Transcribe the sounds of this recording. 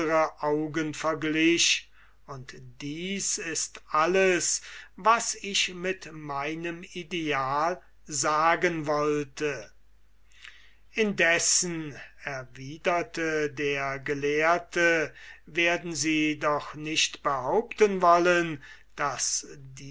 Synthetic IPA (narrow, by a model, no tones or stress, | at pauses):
əʁəʔaʊɡənfɛɐɡlɪʃ | ʊntd̥iːsɪstʔaləsvasɪʃmɪtmaɪnəmideaːl | zaːɡənvɔltʰə | ʔɪndɛsn̩ɛɐviːdɐtʰədeːɐɡəleːɐtʰəveːɐdn̩ziːdɔχnɪʃtb̥əhaʊptənvɔlən | d̥asdi